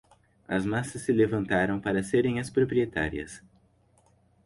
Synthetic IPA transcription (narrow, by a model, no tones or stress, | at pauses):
ɐ̰zmasɐsːɪlevɐ̃nt̪aɾɐ̃w̃paɾɐseɾẽj̃ɐspɾopɾiet̪a̰ɾiɐ̰s